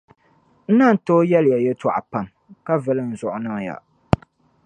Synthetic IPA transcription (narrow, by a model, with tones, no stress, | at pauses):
n̩˦na˦˨n̩˨˦to˦jɛ˦lja˨jɛ˦ta˨ʔa̰˨pa˦m | ka˦vɨ˨lɨ˦˨n̩˨zʊ˨ʔʊ˨nɨ˦˨ja̰˨